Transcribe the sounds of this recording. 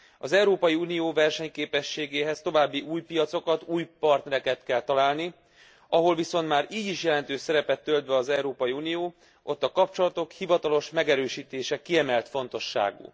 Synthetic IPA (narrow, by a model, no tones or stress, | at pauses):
ɒzɛuɾoːpɒjiunijoːvɛrʃɛɲkeːpɛʃːeːɡeːɦɛst̪o̞vaːbːiʔuːjpijɒt̪so̞kɒt̪uːjpɒrt̪nɛɾɛkɛt̪kɛlt̪ɒlaːlni | ɒɦo̞lviso̞nt̪maːɾiːɟiʃjɛlɛnt̪øːʃsɛɾɛpɛt̪ːøld̪ʋɛɒzɛuɾoːpɒjiunijoː | ʔo̞t̪ːɒkɒp̚t͡ʃo̞lɒt̪o̞khivɒt̪ɒlo̞ʃmɛɡɛɾøːʃiːt̪eːʃɛkiɛmɛlt̪fo̞nt̪o̞ʃːa̰ːɡṵː